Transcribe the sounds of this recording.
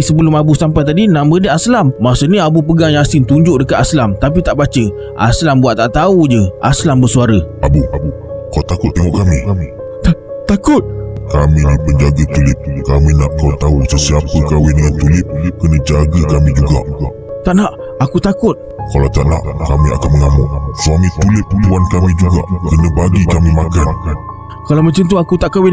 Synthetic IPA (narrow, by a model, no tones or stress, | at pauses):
səbəlʊmabusampajt̪adinaʔmbədəʔaslamːasuniabupəɡaŋjaŋasɪnt̪uɲd͡ʒʊʔdəkat̪aslamt̪ap̬it̪aʔbat͡ʃə | ʔa̰slambuatʔ̚t̪aʔt̪aud͡ʒəʔa̰slambəsuaɾəʔabu | kat̪akʊt̪ːɛŋɔʔkamĩ | t̪at̪akʊt̪̚kamĩnipəɲd͡ʒaɡət̪ulɪp̚kamĩnaʔkawt̪ausəsiapəkawɪnŋant̪ulɪp̚kənə̃d͡ʒaɡəkamĩd͡ʒuɡa̰ʔ | t̪aʔnaʔ | akut̪akʊt̪̚kalawt̪a̰ʔna̰ʔkamĩa̰kanməŋamɔʔsuamĩt̪ulɪp̚t̪uankamĩd͡ʒuɡa̰ʔkənə̃baɡikamĩmakan | kalawmaɲt͡ʃant̪̬uakut̪aʔkawɪn